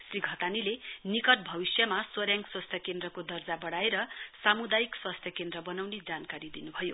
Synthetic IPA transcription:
sriɡʱʌt̪anilenikʌʈ̚bʱʌbisjʌmaswʌɾjaŋɡswast̪ʰjʌkend̪rʌkod̪ʌrd͡zabʌɽaeɾʌsamud̪ajikswast̪ʰjʌkend̪rʌbʌnawned͡zankaɾid̪inubʱʌjo

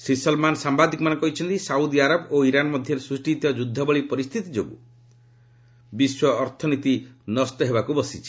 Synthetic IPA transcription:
sɾisɔlmansambad̪ʱikɔmanɔkɔɦit͡ʃʰɔnt̪isaud̪iaɾɔboiɾanɔmɔd̪ʱjɔɾesɾusʈit̪ɔd͡ʒud̪ʱːɔbɔɭipɔɾist̪ʰit̪id͡ʒoɡṵ | biswɔːɾt̪ʰɔnit̪inɔst̪ɔɦebakubɔsit͡ʃʰi̥

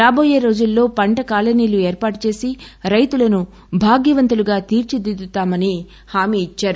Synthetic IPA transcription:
ɾaːbo̞ːjeːɾo̞ːd͡ʒulːo̞ːpɐɳʈɐkaːlɐniːlue̞ːɾpaːʈut͡ʃe̞ːsiɾɐjt̪ulɐnu | bʱaːɡjɐʋɐnt̪uluɡaːt̪iːɾt͡ʃid̪id̪ut̪aːmɐni | haːmiːt͡ʃːaːɾu

